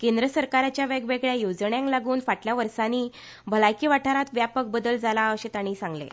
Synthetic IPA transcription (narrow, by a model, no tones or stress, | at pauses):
kẽnd̪ɾəsəɾkaɾat͡ɕjaʋeɡʋeɡɭjajod͡zɳjãŋklaɡuːnfaʈljaʋəɾsaniː | bʱəlajkiʋaʈʰaɾat̪ʋjapək̚bəd̪əld͡zalaəɕet̪aɽ̃iːsãŋɡlḛ